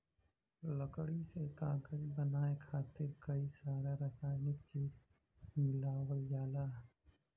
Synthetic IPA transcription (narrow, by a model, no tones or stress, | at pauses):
ləkɽiset̪aːɡəlbənaːekʰaːt̪ɪɾkəisaːɾaɾəsaːɪnɪkt͡ʃiː | mɪlaːwəld͡ʒaːlaɦ